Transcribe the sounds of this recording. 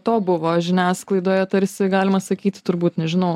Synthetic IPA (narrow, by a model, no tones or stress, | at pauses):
t̪oːbʊʋoːʒʲɪnʲæːsklˠɐɪd̪oːjɛt̪ɐɾʲsʲɪɡɑːlʲɪmɐsɐkʲiːt̪ʲɪ̥t̪ʊɾbuːt̪nʲɛʒʲɪnɐʊ